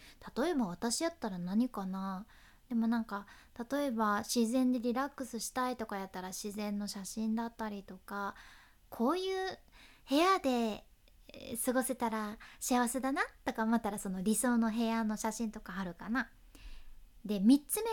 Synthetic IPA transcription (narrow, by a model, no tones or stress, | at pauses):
t̪ḁt̪o̞e̞baβ̞at̪aɕijat̪ːaɾanaɲ̟ikana | d̪̥e̞mo̞nãŋkat̪at̪o̞e̞baɕizẽ̞nd̪eɾʲiɾakːɯ̟sɨɕi̥t̪ait̪o̞kajat̪ːaɾaɕizẽ̞nːo̞ɕaɕĩnd̪at̪ːaɾʲit̪o̞ka | kʰo̞ːjɯ̟ːhe̞ad̪e̞ | sɨɡo̞se̞t̪aɾaɕiaβ̞ase̞d̪anat̪o̞kamat̪ːaɾaso̞no̞ɾʲiso̞ːno̞ɦe̞ano̞ɕaɕĩnt̪o̞kaːɾɯ̟kana | d̪e̞mʲit͡sɨme